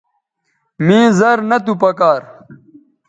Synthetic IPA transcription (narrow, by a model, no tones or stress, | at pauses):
mĩːzɐɾnɐt̪upɐkaːɾ